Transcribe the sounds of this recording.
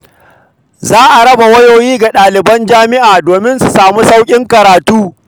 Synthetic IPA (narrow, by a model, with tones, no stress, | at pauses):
zaː˦ʔa˨ɾɐ˦ba˨wɐ˦joː˨jiː˦ɡa˨ɗaː˨lɪ˨bɐ˦nd͡ʒaː˦mɪ˦ʔaː˨doː˨mɪ˦nsu˨saː˨mu˦sa˦wkʲʼɪ˦ŋkɐ˨ɾaː˨tuː˦